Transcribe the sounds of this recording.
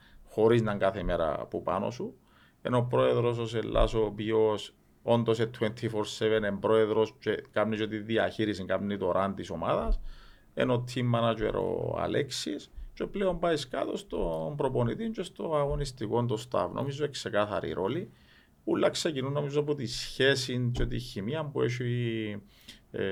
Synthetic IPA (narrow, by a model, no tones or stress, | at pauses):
xo̞ɾiznɐŋɡaθemeɾɐ̰pupa̰no̰su | enopɾoeðɾos̬os̬elːa̰soːpios | ond̪o̞s̬et̪ʰːwent̪ʰifoɾsevenembɾo̞eðɾost͡ʃekamnisot̪iðiɐ̰çiɾisiŋkamnit̪oɾʔant̪iso̞maðɐs | ḛnot̪ʰːimːanad͡ʒḛɾo̰a̰leksist͡ʃepleombaiska̰t̪o̞st̪o̞mpɾoponit̪iɲt͡ʃest̪oaɣo̞nist̪ikond̪ost̪a̰vnʔo̰mizoekse̞kaθɐ̰ɾḭɾʔo̞li | ulːɐksecinunːo̞mizoapot̪isçe̞sint͡ʃot̪ḭçimiɐmpueʃ̬i